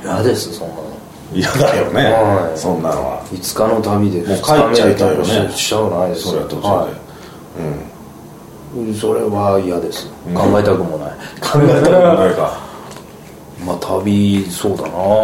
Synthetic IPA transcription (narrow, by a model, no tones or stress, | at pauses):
ijad̪e̞sɨ̥sõ̞nːano̰ | ijad̪ajo̰neãsõnːano̰ɡa̰it͡sɨ̥kano̞t̪abʲid̪e̞smokaiameekajoneɕanaisoɾet̪ːoai | ɯ̃ | so̞ɾe̞βaijad̪e̞sɨ̥ɡ̥ãŋɡaet̪akɯ̟mo̞naikʰãŋɡaet̪aɯaka | mat̪ʰabʲiso̞ːd̪a̰na